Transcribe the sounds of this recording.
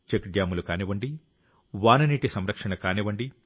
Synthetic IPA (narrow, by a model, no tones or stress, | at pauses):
t͡ʃekɖjaːmulukaːniʋɐɳɖi | ʋaːnɐniːʈisɐmɾɐkʂɐɳɐkaːniʋɐɳɖi